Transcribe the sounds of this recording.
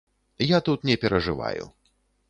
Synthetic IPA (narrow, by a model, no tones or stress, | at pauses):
jat̪ut̪nʲɛpʲɛɾɐʐɨva̰jṵ